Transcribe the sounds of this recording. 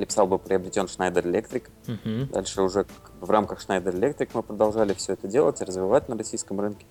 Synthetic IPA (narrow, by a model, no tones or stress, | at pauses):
lʲɪpʲɪ̥sɑlˠbɨpɾʲɪɐbɾʲɪtʲo̞nʂnajd̪əɾɨlʲe̞kt̪ɾʲɪk | d̪a̰lʲʂɨʊʐɛkaɡ̚bɨvramkəxʂnajd̪əɾəlʲe̞k̚t̪ɾʲɪkmɨpɾəd̪ɐlˠʐalʲɪfsʲɵɛt̪ədʲe̞lˠətʲɪrəzvʲɪvat̚ʲnərɐsʲijskəmrɨnkʲɪ